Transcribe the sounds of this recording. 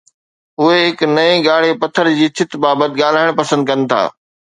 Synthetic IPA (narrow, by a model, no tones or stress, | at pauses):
ʊɦeɦɪknɐẽɡaːɽ̤epɐt̪ʰəɾd͡ʑiːt͡ɕʰɪt̪baːbət̪ɪ̆ɠaːl̤aːɪɽ̃pɐsə̃nd̪̚kɐnɪ̆t̪ʰa̰ː